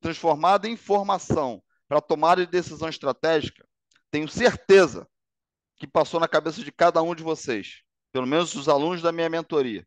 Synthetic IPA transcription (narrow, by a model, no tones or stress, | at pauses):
t̪ɾɐ̃sfoɾmad̪ɐẽĩfoɾmasɐ̃w̃ | pɾɐt̪omad̪ɐd͡ʒɪd̪esizɐ̃w̃ɪʃt̪ɾat̪ɛʒikɐ̥ | t̪ẽjɲʊseɾt̪ezɐ̰ | kɪpasownɐkabesɐd͡ʒɪkad̪ɐũd͡ʒɪvosejs | pelomẽnʊzʊzalũnʊzd̪ɐmĩɲɐmẽnt̪oɾiɐ̰